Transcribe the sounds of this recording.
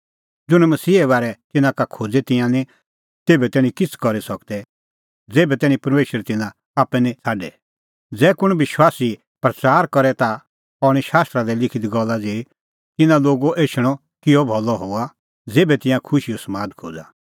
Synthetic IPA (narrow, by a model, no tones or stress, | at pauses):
d͡zʊñɛmɐsiːɛβaːɾɛt̪ɪnãkakʰoːd͡zɛt̪ɪ̃jãnĩ | t̪eːbɛt̪ɛːñĩkɪt͡sʰkɔɾisɐkd̪ɛ | d͡zeːbɛt̪ɛːñĩpɐɾmeːʃəɾt̪ɪ̃nã | aːpːɛnĩt͡sʰaːɖɛ | d͡zɛːkʊɽ̃ʋɪʃwaːsi | pɾɐt͡saːɾkɔɾɛt̪a | ɔɽ̃iʃaːst̪ɾad̪ɛlɪkʰɪd̪iɡɔlːad͡zeː | t̪ɪnãloːɡoʔeːʃɪɽ̃ɔ | kɪɔbʱɔlɔɦoːa | d͡zeːbɛt̪ɪ̃jãkʰʊʃijɔsmaːd̪kʰo̰ːd͡za